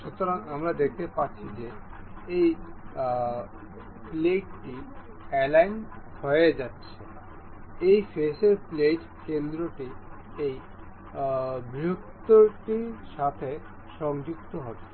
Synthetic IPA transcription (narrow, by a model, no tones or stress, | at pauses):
ʃut̪oɾaŋamɾad̪ek̚ʰt̪epaɾːɕʰid͡ʑeej | pleʈʈi | ɛlajnhoeed͡ʑatːɕʰe | ejfeʃeɾpleʈ | kend̪ɾoʈi | ej | biokt̪oʈiʃat̪ʰe | ʃɔŋd͡ʑuk̚t̪oɦɔbe